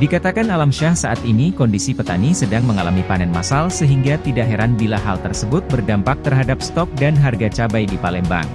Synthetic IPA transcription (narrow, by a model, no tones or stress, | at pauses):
dikat̪akanalamʃahsaʔat̪inikɔndisipət̪anisədaŋməŋalamipanɛnma̰salsəɦiŋɡat̪idaɦɛɾanbilaɦa̰lt̪ərsəbʊt̪̚bərdampak̚t̪ərɦadap̚st̪ɔk̚danɦarɡat͡ʃabajdipalɛmba̰ŋ